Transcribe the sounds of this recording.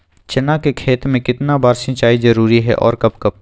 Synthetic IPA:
t͡ʃɐnakekʰeːt̪mẽkɪt̪nabaːɾsɐ̃t͡ʃaːizɐɾuːɾiɦɛ̰ʔɔ̰ːɾkɐbkɐb̚

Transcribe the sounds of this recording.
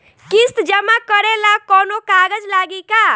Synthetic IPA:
kist̪d͡ʒəmãkəɾelakɔːnokaːɡəd͡ʒlaːɡika

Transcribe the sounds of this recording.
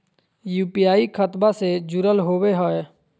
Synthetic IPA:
juːpijaːikʰət̪based͡ʒʊɾəlɦoːweɦoe

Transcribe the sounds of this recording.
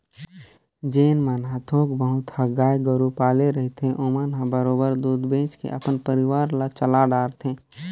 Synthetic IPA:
d͡ʒeːnmaːnɦãt̪ʰoːkbəɦʊt̪həɡaːjɡəɾupaːleɾəɦit̪ẽʔoːmaːnɦãbəɾoːbəɾd̪uːd̪bẽːt͡ʃkḛʔəpənpəɾɪʋaːɾlat͡ʃəlaɖaːɾt̪ʰẽː

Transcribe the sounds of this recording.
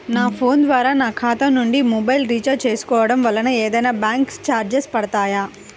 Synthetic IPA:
naːpʰoːnd̪ʋaːɾaːnaːkʰaːt̪ɐmnuɳɖimɔːbɐjlɾiːt͡ʃɐt͡ʃeːsu̥kɔːʋɐɽɐmʋɐlːɐnɐeːd̪ɐjnaːbjaːŋkst͡ʃaːɾd͡ʒespɐɽɐt̪aːja

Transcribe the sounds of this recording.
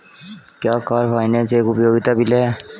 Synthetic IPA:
kjaːkaːɾpʰaːineseeːkʊpjoːɡɪt̪abɪleː

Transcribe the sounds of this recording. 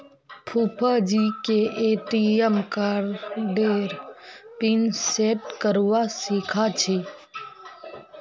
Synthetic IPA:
pʰuːpʰad͡ʒikeʔeːʈiɛmkaɾɖeːɾpinseʈkəɾʋasiːkʰat͡ʃʰi

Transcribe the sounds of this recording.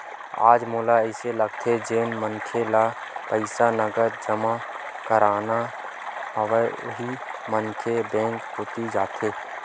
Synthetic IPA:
a̰ːd͡ʒmoːlaɛɪseləɡ̚t̪ʰed͡ʒeːnməŋkʰela | pəɪsanəɡəɾd͡ʒəma | kəɾaːna | ɦəʋeɦimənkʰebɛ̃ːŋkɦoːt̪id͡ʒaːt̪eː

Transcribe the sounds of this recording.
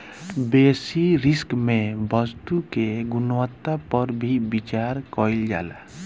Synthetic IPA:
besiɾɪskmẽbəst̪ukeɡʊnwət̪ːapəɾbʱibit͡ʃaɾkɔild͡ʒa̰la̰

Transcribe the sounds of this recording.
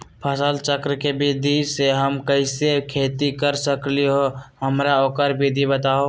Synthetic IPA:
pʰəsəlt͡ʃəkɾəkebid̪ʱiseɦəmkəɪsekʰeːt̪ikəɾsəkliɦoɦəmɾaoːkəɾbid̪ʱibət̪aːo

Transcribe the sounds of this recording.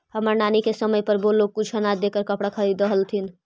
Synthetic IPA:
həməɾnanikesəməjpəɾbolːok̚kut͡ʃʰɦənad̪ekəɾkəpɽakʰəɾid̪əɦəlt̪ʰin

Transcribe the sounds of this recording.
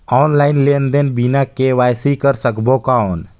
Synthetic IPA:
ɔːnlaːɪnleːnd̪enbinakeʋaːjsikəɾsəkbokaon

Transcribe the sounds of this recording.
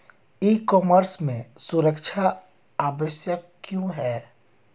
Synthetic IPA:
ikɔːməɾsmẽsʊɾəkʃʰa | aːʋəsjəkː | jõɦɛː

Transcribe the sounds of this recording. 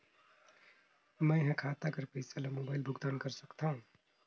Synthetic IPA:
mə̃ɪɦãkʰat̪akəɾpəɪsalemoːbaːɪlbʱʊɡd̪ankəɾsəkt̪ʰaũ

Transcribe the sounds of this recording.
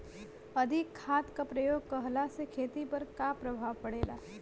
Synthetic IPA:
ɐd̪ʱɪkʰːaːt̪kapɾɐjoːɡ̚kɐɦlasekʰeːt̪ipɐɾkapɾɐbʱaːʋpɐɽeːla̰ː

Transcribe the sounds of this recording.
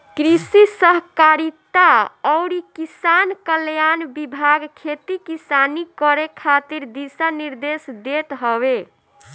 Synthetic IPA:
kɾisisəɦkaɾit̪aɔʊɾikisankəljanbibʱaɡkʰet̪ikisanikɔɾekʰat̪iɾd̪isaniɾd̪esd̪et̪ɦɔbe

